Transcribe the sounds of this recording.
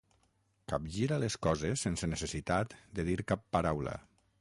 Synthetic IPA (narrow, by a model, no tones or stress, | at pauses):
kap̚ʒiɾaleskɔzesːensənesesit̪at̪d̪əðiɾkapːaɾawlə̰